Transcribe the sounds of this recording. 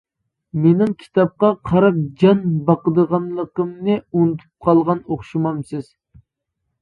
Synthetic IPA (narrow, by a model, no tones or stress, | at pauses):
menɪŋkʲʰi̥t̪ʰɑp̚qɑqʰɑɾɑp̚d͡ʒɑnbɑqəd̪əʁɑnlˠəqəmnɨunɨt̪ʰu̥p̚qʰɑlˠʁɑnoχʃimɑmsɨz̥